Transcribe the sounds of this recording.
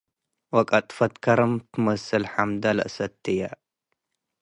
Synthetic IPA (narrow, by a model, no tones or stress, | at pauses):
wɐkʼɐt̪ʼfɐt̪kʰɐɾɐmt̪ʰɨmɐsɨlħamd̪ɐlɐ̰ʔsɐt̪ʰːɨjɐ